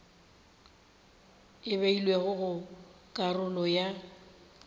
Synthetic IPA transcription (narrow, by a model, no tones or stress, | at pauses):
ɪβeilweɣʊɣʊ | kʼarʊlɔja